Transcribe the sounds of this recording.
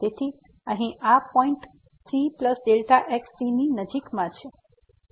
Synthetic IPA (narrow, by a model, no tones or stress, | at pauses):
t̪et̪ʰi | ə̃ɦĩʔapɔ̃iɳʈ | t̪ʰɾipləsɖelʈaʔeksininəd͡ʒikmãt͡ʃʰe